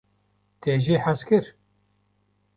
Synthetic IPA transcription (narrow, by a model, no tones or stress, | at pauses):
t̪ʰeːʒiːħæskɨɾ